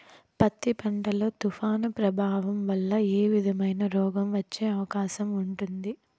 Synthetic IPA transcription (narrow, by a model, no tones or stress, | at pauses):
pɐt̪ːipɐɳʈɐlo̞ːt̪ufaːnɐpɾɐbʱaːʋɐmʋɐlːɐeːʋid̪ʱɐmɐjnɐɾɔːɡɐmʋɐt͡ʃːe̞ːɐʋɐkaːʃɐmuɳʈund̪i